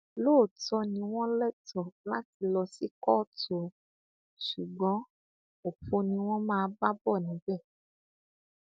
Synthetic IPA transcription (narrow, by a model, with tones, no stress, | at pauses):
loː˦˨tɔ˧nĩ˧w̃ɔ̃˦lɛ˦tɔ˨la˦ti˧lɔ˧si˦kɔː˦˨tɔ˨ | ʃu˨ɡ͡bɔ̃˨˦ | o˨ɸo˧nĩ˧w̃ɔ̃˦mãː˦˧ba˦bɔ˦˨nĩ˨˦bɛ˦˨